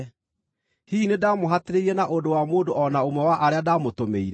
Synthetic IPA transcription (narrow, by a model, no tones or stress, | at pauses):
hiːnedaːmoɦateɾeiɾɛnaʔondowamoːndoɔnaomwɛwaʔaɾeadamotomeiɾɛ